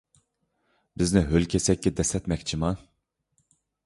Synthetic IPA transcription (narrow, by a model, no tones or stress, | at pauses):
bɪznɪɦølʲkʲʰɛsɛk̚ʲːɛd̪ɛsɛt̪mɛk̚ʲt͡ʃʰimɑ